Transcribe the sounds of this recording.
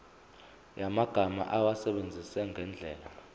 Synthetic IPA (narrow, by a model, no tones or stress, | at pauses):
jamaɡ̥ʱama̰ʔawasɛɓend͡zʱisɛŋɡʱɛnd͡ɮʱɛːla